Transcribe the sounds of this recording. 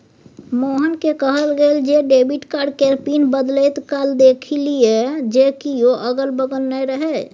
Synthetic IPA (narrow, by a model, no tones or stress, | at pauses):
moɦənkekəɦəlɡeld͡ʒeɖebiʈkaɾɖkɛɾpinbəd̪let̪kald̪ekʰilied͡ʒekijoʔəɡəlbəɡənːəjɾəɦe